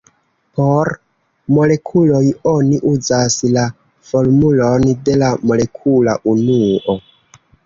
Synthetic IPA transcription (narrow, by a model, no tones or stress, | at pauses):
po̞ɾ | mo̞le̞kʰulo̞joniʔuzasla | fo̞ɾmulo̞nde̞lamo̞le̞kʰula̰ʔunuʔo